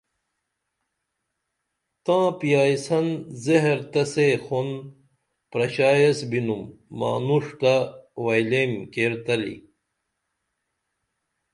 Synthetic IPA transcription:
t̪ãːpijaːjsɐnzeɦɾt̪ɐsexon | pɾɐɕaːjesbinumːa̰ːnuʂt̪awajlemkeɾt̪ɐlḭ

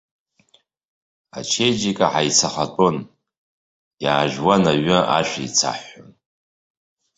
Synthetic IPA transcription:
a̰t͡ʃʰe̞jd͡ʒikʼaħajt͡sʰaχatʼon | jaːʒᶣwanaɥɨʔa̰ʃʷᶣait͡sʰa̰ħon

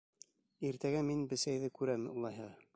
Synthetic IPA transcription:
iɾt̪æɡæminbɘ̆sæjðɘkʉɾæmṵlˠɑjɦɑʁ

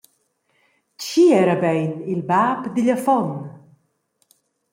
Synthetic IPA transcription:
t͡ʃiɛɾabɛjnilbapd̪iʎafɔn

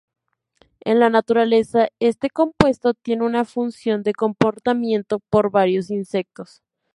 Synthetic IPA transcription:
e̞̰nlanat̪uɾale̞sae̞st̪e̞ko̞mpwe̞st̪o̞t̪je̞neunafunsjo̞nd̪e̞ko̞mpo̞ɾt̪amjẽ̞nt̪o̞po̞ɾβaɾjo̞sinse̞k̚t̪o̞s

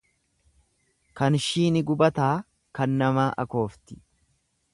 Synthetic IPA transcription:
kɐnʃiːnɪɡʊbɐt̪aː | kɐnːɐmaːʔɐ̰ko̞ːft̪ɪ̥

